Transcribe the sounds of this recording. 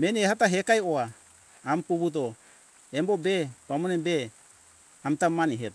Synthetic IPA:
meniehataɦekaioaː | mpuβut̬o | embobepamonɛbe | amitamaniɦet

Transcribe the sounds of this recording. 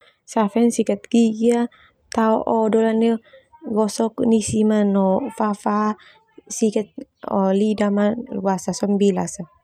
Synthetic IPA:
safɛnsikat̪̚ɡiɡia | t̪aɔʔɔdɔlanɔɡɔsɔknisimanɔfafa | sikat̪̚ɔ̰lidamanluasasɔmbilasa

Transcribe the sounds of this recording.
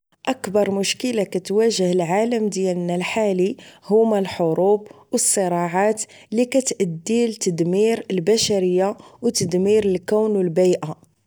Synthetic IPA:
ʔækbɑɾˤmʊʃkəlakæt̪wæʒəhəlʕaləmd̪jælnælħalihʊmælħoɾubwəsˤːəɾˤɑʕat̪ | likæt̪ʔəd̪ːilt̪əd̪miɾəlbæʃæɾəjːawt̪əd̪miɾəlkæwnwəlbijʔa

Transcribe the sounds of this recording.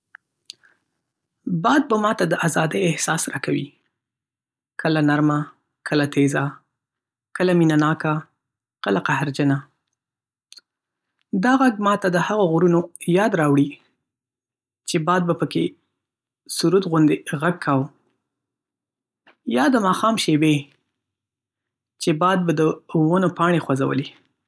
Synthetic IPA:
bɑd̪̚bamɑt̪ad̪əʔazɑd̪əjɪhsɑsɾɑkawḭ | kʰəlanaɾma | kəlat̪eza | kəlaminanɑka | kəlaqahɾd͡ʒəna | d̪ɑɣaɡ̚mɑt̪ad̪əhaɣoɣuɾunojɑd̪ɾɑwɽi | t͡ʃebɑd̪̚bapəke | suɾud̪ɣʊnd̪eɣaɡ̚kʰːaw | jɑd̪əmɑxɑmʃebe | t͡ʃebɑd̪̚bad̪əwənopɑɳexwaza̰wə̰li

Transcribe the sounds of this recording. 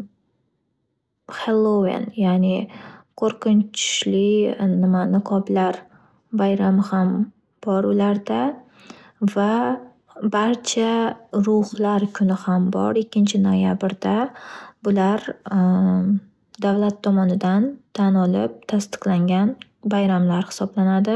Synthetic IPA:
χelˠovɪ̰njanɪqʰoɾqɨnt͡ʃʰʊ̥ʃlɪnɪmanɪqʰɒblaɾ | bajɾamɪham | b̥ɒɾʊlaɾd̪a | va | baɾt͡ʃʰaɾʊhlaɾkʲʰʊnɪhambɒ̰ɾɪkʲːɪnt͡ʃʰɪnojabɪɾd̪abʊlaɾ | d̪avlat̪ʰːɒmɒnɪd̪ant̪ʰanɒlɪp̚t̪ʰast̪ɨ̥qlaŋɡʲan | bajɾamlaɾhɪ̥sɒblanad̪ɪ

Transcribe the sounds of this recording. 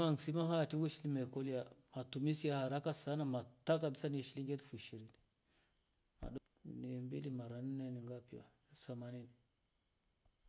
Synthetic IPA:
aŋsimaɦatiɡuʃilimekolijamatumisijahaɾakasanamatakabisaniʃiliŋɡetfuʃiɾini | ma̰d | nimbḭlimaɾanineniŋɡapiwa̰samanini

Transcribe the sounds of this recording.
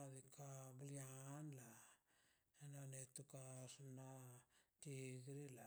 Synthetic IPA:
adikabulianla | enanetukasunatiɡiɾila

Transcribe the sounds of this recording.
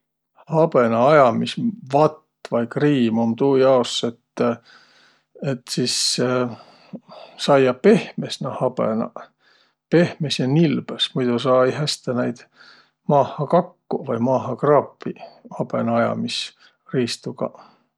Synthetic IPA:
hɑb̥enɑɑjɑmisvɑt̪ː | vɑjkriːmomt̪uːjɑoset̪ː | et̪ːsis | sɑjjɑpe̞hmesnɑhɑb̥ḛnɑ̰ | pe̞hmesjɑnilb̥esmujd̪̥usɑːeijɦæst̪enæjd̪̥ | mɑːhˑɑkɑkːuvɑjmɑːɦɑkrɑːpːˑihɑb̥ḛnɑɑjɑ̰mis | riːst̪uɡ̥ɑ̰

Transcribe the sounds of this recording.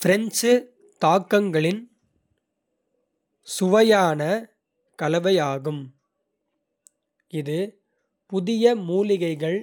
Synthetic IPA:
fɪɾɛnt͡ʃɯ | t̪aːkːɐŋɡɐɭɪn | sʊʋɐjaːnɐ | kɐlɐʋɐjaːɣɯm | ɪðɯ | pʊðɪjɐmuːlɪɣɐɪɣɐɭ

